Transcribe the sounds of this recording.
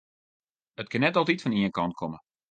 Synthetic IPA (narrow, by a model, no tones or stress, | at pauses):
ət̚kɪnːɛtɔlˠtitfɔniənkɑnt̚kʰɔmə